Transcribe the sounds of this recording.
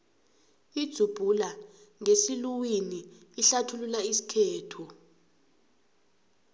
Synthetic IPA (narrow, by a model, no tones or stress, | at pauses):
id̥ʱub̥ʱulaŋesiluwiniːɬatʰululaisi̥kʰeːtʰu